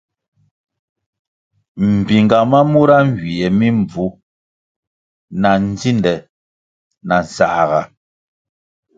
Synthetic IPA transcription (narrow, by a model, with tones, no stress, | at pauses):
m̩˨bi˨ŋɡa˨ma˦mu˦ɾa˦ŋ̩˨ɡɥi˨ʔɛ˨mi˦ɱ˨b͡vu˨˦ | na˨n̩˦d͡zi˦ndɛ˨ | na˨n̩˨sa̰˨ʔɣa˨